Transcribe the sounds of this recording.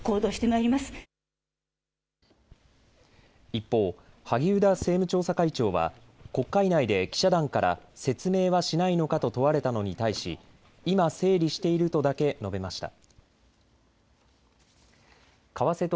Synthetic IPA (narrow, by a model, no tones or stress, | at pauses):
ko̞ːd̪o̞ːɕi̥t̪e̞maiɾʲimasɨ̥ | ipːo̞ː | haɡʲiɯ̟d̪ase̞ːmɯ̟t͡ɕo̞ːsakait͡ɕo̞ːβa̰ | ko̞kːainaid̪e̞kʲi̥ɕad̪ãŋkaɾa̰se̞t͡sɨme̞ːβaɕinaino̞kat̪o̞t̪o̞βaɾe̞t̪ano̞ɲ̟it̪aiɕḭ | imase̞ːɾʲiɕi̥t̪e̞iɾɯ̟t̪o̞d̪ake̞no̞be̞maɕi̥t̪a̰ | kaβase̞t̪o